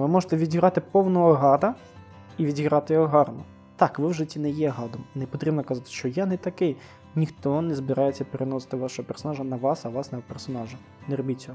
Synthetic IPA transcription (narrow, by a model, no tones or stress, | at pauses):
ʋɪmɔʒɪt̪ɛʋʲidʲiɦɾɑt̪ɪpɔwnɐɔɦɑd̪ɐ | iʋʲidʲiɦɾɑt̪ɪjɔɦɔɦɑrnɔ | t̪ɑkʋɪwʒɪt͡sʲːinɛjɛɦɑd̪ɔmnepɔt̪ɾʲibnɔkɐzɑt̪ɪ̥ʃt͡ʃɔjanɛt̪ɐkɪj | nʲixt̪ɔnɛzbɪɾɑjet͡sʲːɐpeɾenɔsɪ̥t̪ɪʋɑʃɔɦɔpersɔnɑʒɐnɐʋɑsɐʋɑsnɐpersɔnɑʒɐ | nɛɾɔbʲit͡sʲːɔ